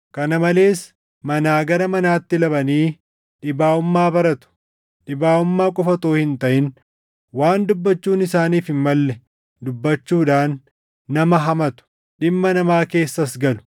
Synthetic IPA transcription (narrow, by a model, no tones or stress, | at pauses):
kɐnɐmɐle̞ːs | mɐnaːɡɐɾɐmɐnaːt̪ːɪlɐbɐniː | ᶑɪbaːʊmːaːbɐɾɐt̪ʊ̥ | ᶑɪbaːʊmːaːkʼɔfɐt̪oːhɪnt̪ɐʔɪn | waːnd̪ʊbːɐt͡ʃːuːnɪsaːniːfɪmmɐlːɛ | d̪ʊbːɐt͡ʃːuːᶑaːnː | ɐmɐɦɐmɐt̪ʊ̥ | ɗɪmːɐnɐmaːke̞ːsːɐsɡɐlʊ̥